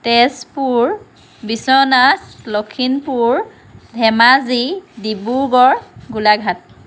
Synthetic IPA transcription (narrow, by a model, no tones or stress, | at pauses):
tɛspuɹ | bisɔnaslokʰinpuɹ | dʱɛmazidibuɡɔɹɡulaɡʱat̚